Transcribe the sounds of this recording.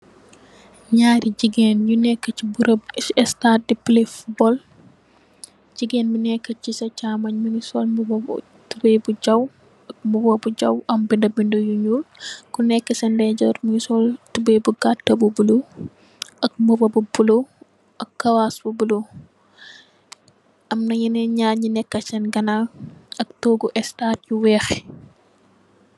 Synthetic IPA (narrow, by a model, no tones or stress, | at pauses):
ɲaːɾid͡ʒiɡɛnjunɛkːɐt͡ʃːibuɾɐbɛstadiplifbɔl | d͡ʒiɡɛnminɛkːɐt͡ʃːisɐt͡ʃamaɲmunisɔlmub̰ | tubebud͡ʒaw | ɐk̚mubobud͡ʒawɐmbindɐbindɔjuɲulkɔnɛkːɐsɛndɛd͡ʒɔɾminisɔltubebuɡatːɐbubulo | ʔɐk̚mubɐbubulo | ʔɐkːɐwasbubulo | ʔɐmnɐjinɛɲaːɲinɛkːɐsɛnɡɐnaɐk̚toːɡuʔɛstat̚juwɛːxɛ